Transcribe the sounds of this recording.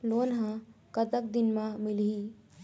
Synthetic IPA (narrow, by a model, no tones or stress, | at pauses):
lonɦãkət̪ək̚d̪inmãmilɦi